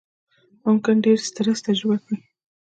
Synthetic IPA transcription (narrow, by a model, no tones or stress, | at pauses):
mʊmkɪnɖeɾst̪əɾast̪aʒwakwi